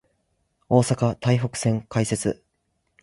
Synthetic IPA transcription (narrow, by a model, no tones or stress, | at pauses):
o̞ːsakat̪aiɦo̞kɯ̟̥sẽ̞ŋkaise̞t͡sɨ̰